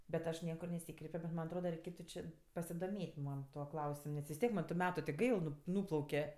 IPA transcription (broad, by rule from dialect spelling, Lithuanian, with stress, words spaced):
bʲɛt ˈɐʃ ˈnʲiɛkʊr nʲɛˈsʲiːkrʲɛɪpʲoː bʲɛt ˈmɐnʲ ɐtˈroːdɐ rʲɛɪˈkʲeːtʊ t͡ʃʲɪ pɐsʲɪdoːˈmʲeːtʲ ˈmɐn ˈtuɔ ˈklˠɐʊsʲɪm nʲɛs ʋʲɪs ˈtʲiɛk mɐn tʊ ˈmʲæːtʊ tʲɪ ˈɡɐɪlˠ ˈnʊ ˈnuːplˠɐʊkʲɛ